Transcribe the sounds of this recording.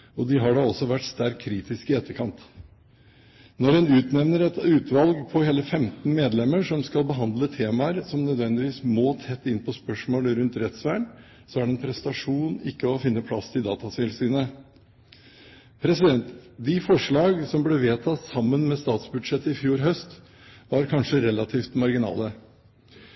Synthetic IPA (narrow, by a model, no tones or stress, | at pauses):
ɔd̪ɪɦɑɖɑɔsːɔʋæʈst̪æɾkʰːɾiːt̪ɪskɪɛt̪ːəɾkʰɑnt̪ | nɔɾɛnʉːt̪nɛʋnəɾɛt̪ʉːt̪ʋɑlɡpʰɔheːləfɛmt̪n̩meːd̪lɛmːəɾʂɔmskɑlbəɦɑnd̪lət̪ʰeːmɑəɾsɔmnœd̪ʋɛnd̪ɪʋiːsmoːt̪ʰɛt̪ːɪnːpʰɔspœʂmoːləɾʉnt̪ɾɛt̪sʋæːɳ | sɔæɖɛnpʰɾɛst̪ɑʂuːnɪkːəɔfɪnːəpʰlɑsɪd̪ɑ̰ːt̪ɑsɪlsyːnə | pʰɾɛsɪd̪ɛnt̪d̪ɪfɔʂɭɑːɡsɔmblɛʋeːt̪ʰɑt̪sɑmːənmɛst̪ɑːt̪sbʉd̪ʂɛt̪ːəɪfjuːɾɦœst̪ | ʋɑɾkʰɑnʂəɾɛlɑt̪ʰiːft̪mɑɾɡɪnɑ̰ːlə